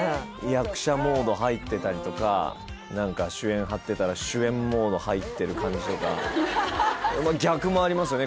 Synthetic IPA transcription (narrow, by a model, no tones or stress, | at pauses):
jakɯ̟̥ɕamo̞ːd̪o̞ɦait̪ːe̞t̪aɾʲit̪o̞ka̰ | nãŋkaɕɨẽ̞ɰ̃ɦat̪ːe̞t̪aɾaɕɨẽ̞mːo̞ːd̪o̞hait̪ːe̞ɾɯ̟kãɲ̟d͡ʑit̪o̞ka | maɡʲakɯ̟mo̞aɾʲimasɨjo̞ne